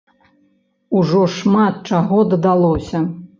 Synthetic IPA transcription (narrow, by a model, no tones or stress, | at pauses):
uʐɔʂmat̪̚t͡ʂaɣɔd̪ɐd̪alˠɔsʲɐ